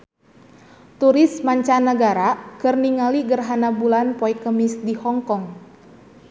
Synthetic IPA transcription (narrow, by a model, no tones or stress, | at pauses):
t̪uɾɪsmaɲt͡ʃanəɡaɾakərniŋaliɡərɦanabulanpɔikːəmisdihɔŋkɔŋ